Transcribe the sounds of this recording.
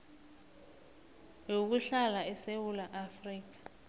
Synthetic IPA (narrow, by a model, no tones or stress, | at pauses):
jok̬uɬalaɛsewulaʔafriːk̬ḁ